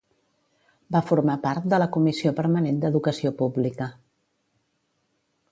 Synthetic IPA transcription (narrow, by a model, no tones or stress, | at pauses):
bafuɾmapaɾt̪̚d̪ələkumisiopəɾmənend̪əðukəsiopublikə